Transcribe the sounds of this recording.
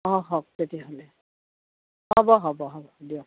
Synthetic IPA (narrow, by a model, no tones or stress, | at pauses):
ɔɦɔɦɔk̚tetiaɦɔlɛ | hɔbɔɦɔbɔɦɔbɔdiɔ